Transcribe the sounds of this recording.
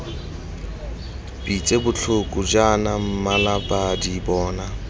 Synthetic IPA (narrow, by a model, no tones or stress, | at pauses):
bit͡sʼebʊt͡ɬʰʊkʼʊd͡ʒanam̩malabadibɔːna